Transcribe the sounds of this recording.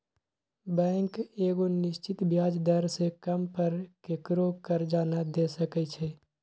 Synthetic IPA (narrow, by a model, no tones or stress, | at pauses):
bɛ̃ːŋkeːɡonɪʃt͡ʃɪt̪bjaːd͡ʒd̪əɾsekəmpəɾkekɾokəɾd͡ʒaːnad̪eːsəkɛt͡ʃʰɛ